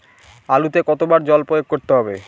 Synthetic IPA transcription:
alut̪ekɔt̪obaɾd͡ʑɔlpɾojoɡ̚koɾt̪eɦɔbe

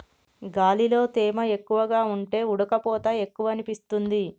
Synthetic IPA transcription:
ɡaːlilo̞ːt̪ɛːmɐe̞kːuʋɐɡaːuɳʈe̞ːuɽɐkɐpɔːt̪ɐe̞kːuʋɐːnipist̪und̪i

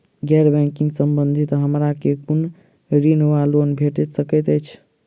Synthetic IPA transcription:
ɡɛɾbɛ̃kiŋɡsəmbənd̪ʱit̪ɦəmɾakekun | ɾinʋaluənbʱeʈɛt̪səkɛt̪əjt͡ʃʰ

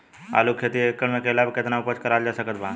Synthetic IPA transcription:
a̰ːlukʰet̪iekːəɽmẽkelaːbkɪt̪naʊpət͡ʃkəɾaːld͡ʒasəkət̪bʱãː

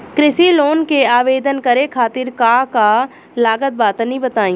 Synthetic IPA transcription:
kɾɪsiloːnkeaːʋeːd̪ənkɐɾekʰaːt̪ɪɾkaːka | laːɡət̪̚baːt̪nĩbɐt̪aːĩː

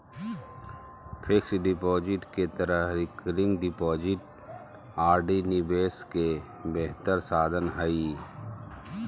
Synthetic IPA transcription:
pʰɪksɖɪpɔːd͡ʒɪʈket̪əɾəɦɾɪkɾɪ̃ŋɡɖɪpɔːd͡ʒɪʈ | aːɾɖinɪbeːske | beɦt̪əɾsaːd̪ʱənɦəi

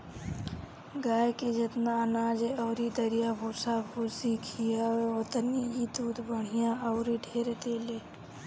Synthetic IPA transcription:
ɡaːjked͡ʒət̪nanaːd͡ʒeɔʊɾid̪əɾijabʱusabʱusikʰijaeot̪ənijid̪ud̪bəɽ̤̃ijãəʊɾiɖʱeɾed̪eːle

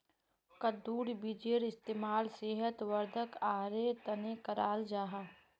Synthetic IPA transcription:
kəd̪uːɾbɪd͡ʒeːɾɪst̪eːmaːlseːɦət̪ʋəɾd̪ʱəkaːɾet̪ɐnekəɾaːld͡ʒaːɦaː

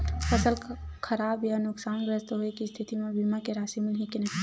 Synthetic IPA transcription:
fɐsəlkʰɐɾaːbjanʊksaːnɡɾəst̪ɦoekist̪ʰɪt̪imẽbimakeɾaːsemɪlɦikinɐ

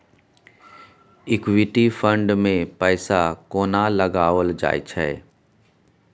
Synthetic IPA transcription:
ɪkwɪʈifə̃ɳɖmẽpɛɪsakoːnalɐɡaːʋəld͡ʒa̰ːjt͡ʃʰɛɛ

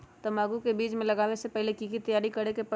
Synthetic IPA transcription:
t̪ɐmaːɡukebiːt͡ʃmẽlɐɡaːʋesepɛɦlekiːkit̪ɐjaːɾikɐɽekepɐ

